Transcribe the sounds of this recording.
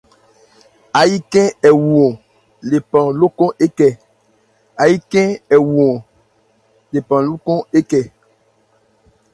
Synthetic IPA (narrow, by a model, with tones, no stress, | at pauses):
a˨ji˦kɛ̃˦ɛ˨wu˨õ˨ | le˨pã˨lo˦kɔ̃˦ʔe˦kɛ˨ | a˨ji˦kɛ̃˦ɛ˨wu˨o˨ | le˨pã˨lo˦kɔ̃˦e˦kɛ˦˨